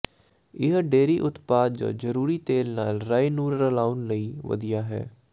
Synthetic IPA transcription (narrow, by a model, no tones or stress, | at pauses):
ɪɦɖeːɾiːʔʊt̪paːd̪d͡ʒa̰ːd͡ʒəɾuːɾiːt̪eːlnaːlɾaːiːnuːɾːəlaːʊnləiːʋə̰d̪ijaːɦɛ̰ː